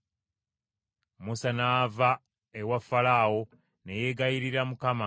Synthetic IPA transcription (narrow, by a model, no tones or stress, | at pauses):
musanaːva | ewafːalaːwo̞ | neje̞ɡajiɾiɾamukama